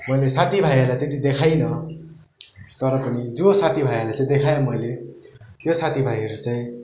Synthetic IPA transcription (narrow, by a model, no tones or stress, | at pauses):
mʌjlesat̪ʰibʱajʌrlajt̪et̪̬id̪ekʰajnʌ | t̪ʌɾʌpʌnid͡zosat̪ʰibʱajʌrlajt͡saĩd̪ekʰajomʌjle | t̪josat̪ʰibʱajɦʌɾut͡sʌj̃